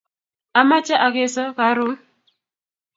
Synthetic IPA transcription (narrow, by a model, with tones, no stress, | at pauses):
a˨ma˦t͡ʃa˦ʔa˨ke˦˨sɔ˦ka˨˦ɾu˦